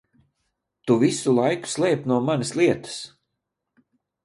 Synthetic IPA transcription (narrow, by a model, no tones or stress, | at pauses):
t̪uvisulˠajku̥slˠɛːpnuɔmanɐslˠiɛt̪ɐ̥s